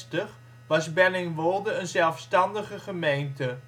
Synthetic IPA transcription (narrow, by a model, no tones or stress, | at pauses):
təχ | ʋɑsbɛnɪŋʋolˠdəənzɛlˠfstɑndəχəχəmejntə